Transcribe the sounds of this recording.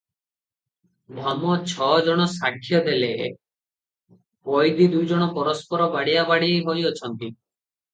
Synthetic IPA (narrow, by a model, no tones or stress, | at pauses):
bʱɔmɔt͡ʃʰɔd͡ʒɔɽ̃ɔsakʰːjɔd̪ele | kojd̪id̪ujd͡ʒɔɽ̃ɔpɔɾɔspɔɾɔbaɽiabaɽiejɦojɔt͡ʃʰɔnt̪i